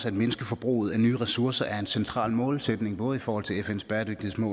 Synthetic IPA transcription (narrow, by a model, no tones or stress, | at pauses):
sæd̥me̝nəsɡ̥əfɒ̽b̥ʁṵːð̞̩ˠænyːʁɛsuɐsɐʔæɐe̝nsent͡sʰʁɑ̰̈ːlmɔ̽ːlsed̥ne̝ŋb̥ɔ̽ːð̞̩ˠifɒːhɒ̽l̰t͡sʰe̝efen̰sb̥ɛːɐd̥øɡ̥̚d̥ihesmɔ̰̽